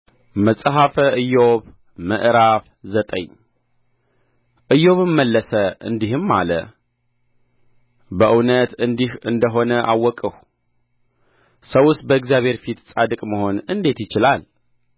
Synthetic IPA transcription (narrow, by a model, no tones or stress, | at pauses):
məsʼɦafəʔɨjoβ | mə̰ʔɾaf | zət̪ʼə̰ɲ | ʔɨjːo̞βɨmːəlːəsəʔɨ̰nd̪ihɨmːa̰lə | bəʔɨwnət̪ɨnd̪ihɨnd̪əɦo̞nəʔa̰wːɔkʼəh | səwʊst̪̚bəɨkzjaβhe̞ɾfit̪sʼad̪ɨkʼməho̞nɨnd̪e̞t̪jɪt͡ʃɪlal